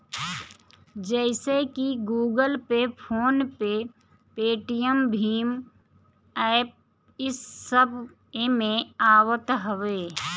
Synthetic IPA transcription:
d͡ʒɛːsekiɡuːɡəlpepʰoːnpe | peːʈijəmbʱiːm | ɛːp̚ | ɪsːəbʱ | emẽaːwət̪ɦəʋeː

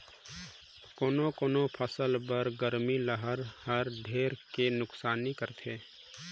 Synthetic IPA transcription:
koːnokoːnopʰəsəlbəɾɡəɾmiləɦəɾhəɾɖʱeːɾkenʊksaːnikəɾt̪ʰeː

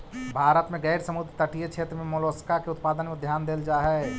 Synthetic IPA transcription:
bʱaːɾət̪mẽɡɛːɾsɐmʊd̪ɾt̪ɐʈijət͡ʃʰeːt̪ɾəmẽmoloːskakeʊt̪paːd̪ənmẽd̪ʱjaːnd̪eːld͡ʒaːɦɛː

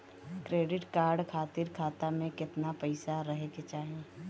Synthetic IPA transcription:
kɾeːɖɪʈkaːɾɖkʰaːt̪ɪɾkʰaːt̪amẽkɪt̪napɐɪsaɾɐɦeket͡ʃaːɦẽː

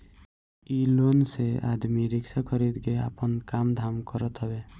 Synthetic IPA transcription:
ilonsea̰d̪miɾɪksakʰəɾid̪ɡea̰pənkamd̪ʱamkəɾət̪ɦɔbe

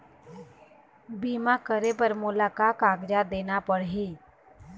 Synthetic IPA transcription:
biːmakəɾepəɾmʊlaːkaːkaːɡd͡ʒad̪eːnapəɽɦiː

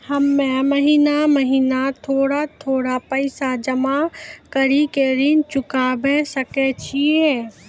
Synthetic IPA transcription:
hɐmːẽmɐɦiːnamɐɦiːnat̪ʰoːɽat̪ʰoːɽapɐɪsad͡ʒɐmakɐɾikeɾint͡ʃʊkabẽsɐket͡ʃʰiẽː

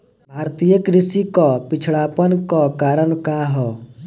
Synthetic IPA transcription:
bʱaːɾt̪ijəkɾɪsikɔpɪt͡ʃʰɭaːpənkɔkaːɾəɳkaːɦɔː

